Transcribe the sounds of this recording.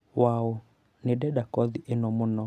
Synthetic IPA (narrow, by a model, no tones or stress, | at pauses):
wao | nedɛɗakɔðiʔenɔmonɔ